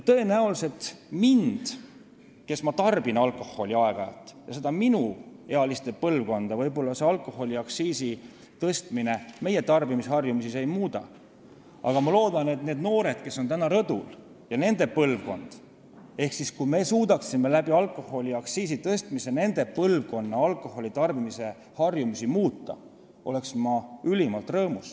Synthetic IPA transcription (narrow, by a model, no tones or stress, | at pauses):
jt̪ɤe̞næulse̞t̪mind̪̥ | ke̞smɑt̪ɑrb̥inɑlkˑo̞ho̞lʲiɑe̞ɡ̥ɑjɑ̰t̪ːˑjɑse̞d̪̥ɑminuheɑlist̪e̞pɤlvko̞nd̪̥ɑvɤjbo̞lːɑse̞ɑlkˑo̞ho̞lʲiɑksiːsi | t̪ɤst̪mine̞me̞je̞t̪ɑrbimishɑrjumisise̞jmuːd̪̥ɑ̰ | ɑɡ̥ɑmɑlo̞ːd̪̥ɑne̞t̪neːd̪no̞ːɾe̞d̪̥ke̞sːo̞nt̪ænɑɾɤd̪̥ul | jɑne̞nd̪e̞pɤlvko̞̰nd̪̥ | e̞hksiskujme̞suːd̪̥ɑksimːelæbiɑlkːˑo̞ho̞lʲiɑksiːsit̪ɤst̪mise̞ne̞nd̪̥e̞pɤlvko̞nːɑɑlkːˑo̞ho̞lʲit̪ɑrbimise̞ | hɑrjumisimuːt̪ˑːɑ̰ | ʔo̞le̞ksmɑylʲimɑlt̪rɤːmus